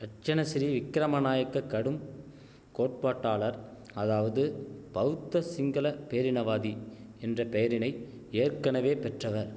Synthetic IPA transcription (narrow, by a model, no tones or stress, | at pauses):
ɾɐʈ̚t͡ʃɐnɐsɪɾiʋɪkːɪɾɐmɐnaːjɐkːɐkːɐɽɯm | koːʈ̚paːʈːaːɭɐɾ | ɐðaːʋɐðɯpɐʋt̪ːɐsɪŋɡɐlɐpejɐɾɪnɐʋaːði | ɛndrɐpɛjɐɾɪnɐɪ | eːɾkɐnɐʋeːpɛʈrɐʋɐɾ